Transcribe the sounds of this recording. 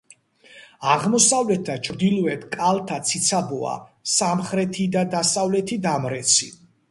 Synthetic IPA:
aʁmɔsavlɛt̪̚ʰd̪at͡ʃʰɾd̪ilˠɔɛt̪ʰkʼalˠt̪ʰat̪sʰit̪sʰabɔa̰samχɾɛt̪ʰid̪ad̪asavlɛt̪ʰid̪amɾɛt̪sʰi

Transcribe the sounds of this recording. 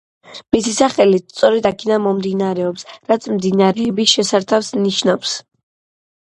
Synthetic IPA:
misisaχɛlist̪sʼɔɾɛd̪akʰɛd̪anmɔmd̪inaɾɛɔpsɾat̪sʰmd̪inaɾɛːbisʃɛsaɾt̪ʰafsniʃnaps

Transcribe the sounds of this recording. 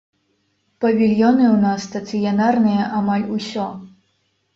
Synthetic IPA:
pɐvʲilʲjɔnɨwnasːt̪ɐt̪sɨjanarnɨjɐʔamalʲusʲɔ

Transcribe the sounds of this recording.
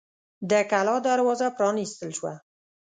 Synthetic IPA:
d̪əkalɑd̪aɾwɑzapɾɑnist̪əlʃwa̰

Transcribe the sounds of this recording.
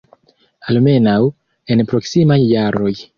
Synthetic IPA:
alme̞naw | e̞npɾo̞ksimajːaɾʔo̞j

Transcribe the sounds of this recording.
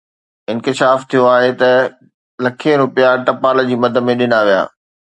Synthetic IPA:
ɪ̃nkɪʃaːft̪ʰijoaːɦet̪ɐ | lɐkʰeɾʊpijaʈɐpaːld͡ʑiːmɐd̪ʱəmẽɗɪnaʋija̰ː

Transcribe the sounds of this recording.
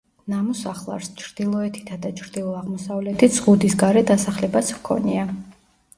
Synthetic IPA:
namɔsaχlˠa̰ɾst͡ʃʰɾd̪̥ilˠɔɛt̪ʰi̥t̪ʰad̪at͡ʃʰɾd̪ilˠɔaʁmɔsavlɛt̪ʰiz̥ʁud̪isɡaɾɛd̪asaχlɛbat̪sʰmkʰɔ̰nia

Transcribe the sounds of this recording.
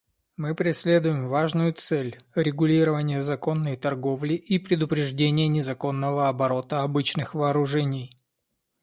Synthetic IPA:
mɨpɾʲɪsʲlʲe̞d̪ʊjɪmvaʐnʊjʊt̪sɛlʲɾʲɪɡʊlʲiɾəvənʲɪjəzɐko̞nːəjt̪ɐrɡo̞vlʲɪʔipɾʲɪd̪ʊpɾʲɪʐdʲenʲɪjənʲɪzɐko̞nːəvəɐbɐɾo̞t̪əɐbɨt͡ɕnɨxvɐːɾʊʐɛnʲɪj

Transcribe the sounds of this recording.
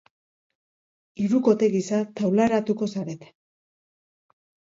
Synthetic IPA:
iɾuko̞t̪e̞ɣisat̪awlaeɾat̪uko̞saɾe̞t̪e̥

